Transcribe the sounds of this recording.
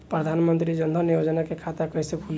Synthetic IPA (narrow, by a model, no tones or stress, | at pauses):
pɾəd̪ʱanmənt̪ɾid͡ʒənd̪ʱɔnijod͡ʒnakekʰat̪akəjsekʰul